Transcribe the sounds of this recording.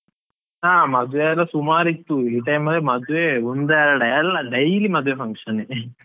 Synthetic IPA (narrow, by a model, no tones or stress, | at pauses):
aːmɐd̪ʋeɐlːɐsumaːɾit̪ːuiʈɐjmːɐd̪ʋemɐd̪ʋeund̪eɾɐɖɐɛlːɐɖɐjlimɐd̪ʱuʋefʰɐŋkʂɐne